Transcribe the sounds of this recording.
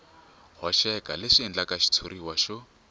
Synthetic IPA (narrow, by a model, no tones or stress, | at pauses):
hɔʃɛkʼalɪʃiːnd͡ɮakaʃi̥t͡sʰuɾiwaʃʊ